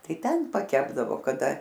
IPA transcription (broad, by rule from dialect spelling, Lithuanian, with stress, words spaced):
ˈtɐɪ ˈtʲɛn pɐˈkʲæːbdɐʋoː kɐˈdɐ